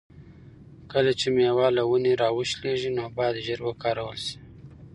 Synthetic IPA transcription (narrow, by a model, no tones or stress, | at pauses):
kəlat͡ʃemjewɑlawuneɾɑwəʃleʒinobɑd̪ʒəɾwəkɑɾawəlʃi̥